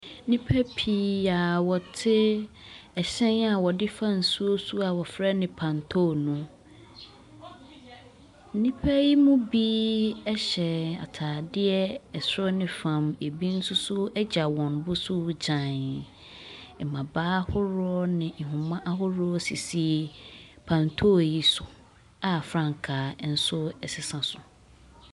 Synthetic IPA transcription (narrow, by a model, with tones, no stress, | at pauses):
nĩ˦pʰɛ˦pʰi˦a˨wɔ˨tʰɪ˦ | ɛ˨ɕɛ̃˦na˨wɔ˨dɪ˦fa˦n̩˨su˦o˦su˦a˨wɔ˨fɾɛ˦nɪ̃˨pʰã˨ntʰo˦˨nũ˦ | n̩˦nĩ˦pʰɛ˦ji˦mũ˦bi˦ɛ˦ɕɛ˨a̰˨tʰaː˨dɪ˦ɛ˦ɛ˨sɔ˦nɪ̃˨fã˨me˨bi˦n̩˦sʊ˦sʊ˦ɛ˦d͡ʑa˨wɔ̃˨nbʊ˦sʊ˦d͡ʑã˨n | ɛ˨mã˨baː˦hʊ˦ɾʊ˦ɔ˦nɪ̃˨ɦʊ̃˨mã˦ʔa˦ɦʊ˦ɾɔ˦si˨si˦pʰã˨ntʰo˦˨ji˦sʊ˨ | a˨fɾã˦˨ŋ˨kʰa˨n̩˨˦sʊ˦ɛ˨sɪ˨sã˨sʊ˨